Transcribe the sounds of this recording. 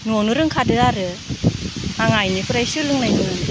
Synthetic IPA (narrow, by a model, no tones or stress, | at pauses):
nuonɯɾɯŋkʰadɯaɾɯ | aŋajnikʰɯɾajsɯlɯŋnajnɯ